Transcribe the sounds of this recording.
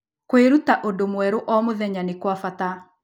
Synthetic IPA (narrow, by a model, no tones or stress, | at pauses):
kweɾutaʔodomwɛɾoʔɔmoðɛɲanekwafata